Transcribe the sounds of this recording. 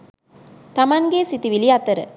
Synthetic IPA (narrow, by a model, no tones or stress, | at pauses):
t̪ɐmɐnɡeːsit̪iʋiliɐt̪ːɐɾə̰